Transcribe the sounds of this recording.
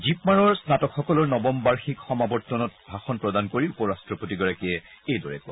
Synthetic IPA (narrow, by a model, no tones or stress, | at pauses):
zipmaɹɔɹsnatɔkxɔkɔlɔɹnɔbɔmbaɹxikxɔmabɔɹtːɔnɔt̚bʱaxɔnpɹɔdankoɹiupɔɹastɹɔpotiɡɔɹakiɛejdɔɹɛ̰kɔ̰ɹ